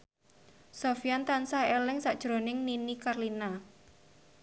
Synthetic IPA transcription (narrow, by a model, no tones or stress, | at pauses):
sofijant̪ansaelɪŋsaʔd̥ʒ̥ɾonɪŋninikarlina